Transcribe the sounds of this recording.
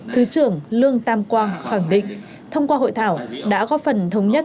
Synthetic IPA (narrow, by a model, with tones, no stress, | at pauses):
t̪ʰɨ˨˦t͡ɕɨ˨˧˩əŋlɨ˧əŋt̪aː˧mkwaː˧ŋxaː˧˩ŋɗḭ̈˧˨ŋ̟ | t̪ʰə˧wŋ͡mkwaː˧ɦo̰˧˨jt̪ʰaː˧˩wɗa̰ː˧˥kɔ˨˦fə˨˩nt̪ʰə˨˦wŋ͡mɲə˦˥t̚